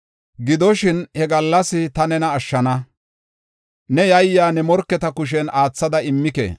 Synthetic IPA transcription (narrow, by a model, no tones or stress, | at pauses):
ɡɪd̪ɔʃɪnhɛɡɐlːɐsɪt̪ɐnɛnɐːʃːɐnɐ | nɛjɐjːaːnɛmɔɾkːɛt̪ɐkʊʃ̬ɛnaːt͡sːɐd̪ɐɪmːɪkḛ